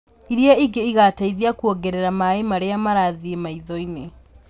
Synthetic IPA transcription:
iɾjaiɡeiɣataiðiakuoɡeɾeɾamaemaɾeamaɾaðiemaiðɔine

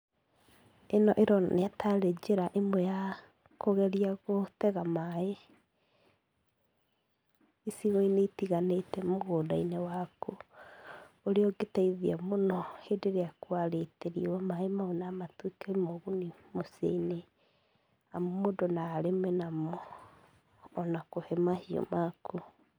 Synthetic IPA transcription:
enɔʔeɾɔneatʰaɾed͡ʒeɾaʔemwɛja | koɣɛɾiaɣotɛɣamae | siɣoineitiɣanetɛmoɣoːdainewako | oɾeɔɡetaiðiamonɔhedeɾeakwaɾeteɾiwamaemaonamatwikaimoɣunimosḛine | amomodɔnaːɾemenamɔ | nakohɛmahiɔ̰makʰu

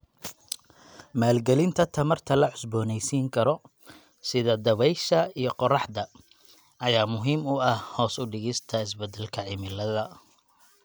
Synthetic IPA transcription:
maːlɡɛlɪnt̪ʰɐt̪ʰɐmɐrt̪ʰɐlɐʕʊsbɔːnɛjsiːŋkʰɐɾɔ | sɪðɐd̪ɐβɛjʃɐijɞqɔrɑħd̪ɐ | ɐjaːmʊɦiːmʊɐhhɔːsʊɖɪɣɪst̪ʰɐɪsbɛd̪ɛlkʰɐʕɪmɪlɐðɐ

